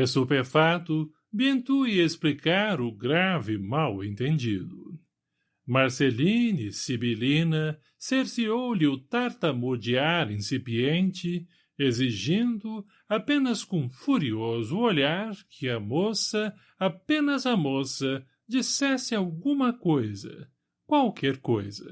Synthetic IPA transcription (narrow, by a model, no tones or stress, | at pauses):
esupefat̪ʊ | bẽnt̪uiesplikaɾʊɡɾavɪmawḛ̃nt̪ẽnd͡ʒid̪ʊ | maɾselinisibilinɐ | seɾsiowlɪʊt̪aɾt̪ɐmoɾd͡ʒiaɾĩsipiẽnt͡ʃɪ | eziʒĩnd̪ʊ | apẽnɐskõfuɾiozʊoʎaɾkʰɪɐmosɐ | apẽnɐzɐmosɐ | d͡ʒisɛsɪawɡũmɐkojzɐ̰ | kwawkʰɛɾkojzɐ̰